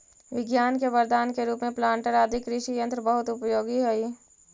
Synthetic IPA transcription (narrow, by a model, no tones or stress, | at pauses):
ʋɪɡjaːnkebɐɾd̪aːnkeɾuːpmẽplãːɳʈəɾad̪ʱɪkɾɪʃijə̃nt̪ɾəbəɦʊt̪ʊpjoːɡiɦoi